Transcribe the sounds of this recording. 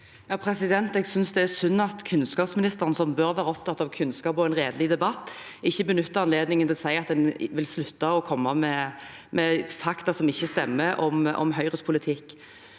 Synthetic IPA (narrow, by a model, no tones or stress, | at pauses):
jɑːpʰɾɛsɪd̪ɛnt̪ɛːɡsʏnsd̪ɛæsʉnːɑt̪kʰʉnskɑːpsmɪnɪst̪əʁnsɔmbøɾʋæːɾəɔp̚t̪ʰɑt̪ːɑʋkʰʉnskɑːpɔɛnʁeːd̪əlɪd̪ɛbɑt̪ː | ɪçːəbənʉt̪ːəɑnleːd̪nɪŋənt̪ɪlɔsæɪɑt̪̚d̪ɛnʋɪlslʉt̪ːɑɔkʰɔmːɑmɛmʔɛfɑkt̪ɑsɔmɪçːəst̪ɛmːəʔɔmɔ̰mɦœʏʁəspʰʊlɪt̪ʰɪkː